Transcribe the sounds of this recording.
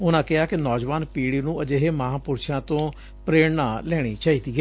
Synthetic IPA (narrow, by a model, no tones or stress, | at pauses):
ʊnãːkɪɦaːkɪnɔːd͡ʒʋaːnpiːɽiːnũːəd͡ʒeːɦeːməɦãːpʊɾʃãːt̪õː | pɾeːɽnãːlɛːɽ̃iːt͡ʃaːiːt̪iːɡɛː